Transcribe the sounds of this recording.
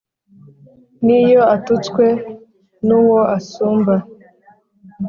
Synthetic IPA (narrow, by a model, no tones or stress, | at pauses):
nijoatut͡skwe̞ | nuwo̞ʔasuːmba